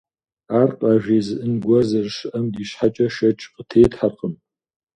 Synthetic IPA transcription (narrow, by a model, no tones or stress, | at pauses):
aːrqʼaːʒʷᶣiːzɨʔɨnɡʷɐzɐrʃɨʔɐmdiːɕħat͡ʃʼɐʃɐt͡ʃʼqʼətʰeːtħarqʼəm